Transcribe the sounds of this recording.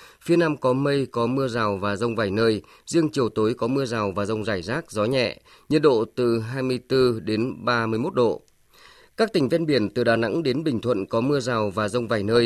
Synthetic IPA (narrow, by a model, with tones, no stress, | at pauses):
fi˨˦ənaː˧mkɔ˨˦mə˧jkɔ˨˦mɨ˧əzaː˨˩wvaː˨˩zə˧wŋ͡mvaː˨˩jnəː˧j | zi˧əŋt͡ɕi˨˩əwt̪o˨˦jkɔ˨˦mɨ˧əzaː˨˩wvaː˨˩zə˧wŋ͡mzaː˧˩jzaː˦˥k̚zɔ˨˦ɲɛ̰˧˨ | ɲɨ˧nɗo̰˧˨t̪ɨ˨˩ɦaː˧jmɨ˧əjt̪ɨ˧ɗe˨˦nɓaː˧mɨ˧əjmo˦˥t̚ɗo̰˧˨ | kaː˦˥k̚t̪ï˨˩ŋ̟vɛ˧nɓi˧˩ənt̪ɨ̰˨˩ɗaː˨˩na̰˧˥ŋɗe˨˦nɓï˨˩ŋ̟t̪ʰwə̰˧˨nkɔ˨˦mɨ˧əzaː˨˩wvaː˨˩zə˧wŋ͡mvaː˨˩jnəː˧j